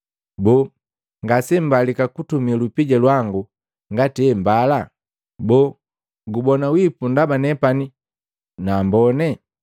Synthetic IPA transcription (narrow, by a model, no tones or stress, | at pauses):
bɔ | ŋɡasɛm̩balikakutumilupiɟalwaŋɡu | ŋɡatiɛmbala | bɔː | ɡubɔnawipundabanɛpani | naːmbɔnɛ